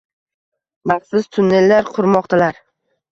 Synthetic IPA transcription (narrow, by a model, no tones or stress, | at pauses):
mɑχsʊzt̪ʰʊnːe̞lːaɾqʰʊɾmɒqt̪ʰalaɾ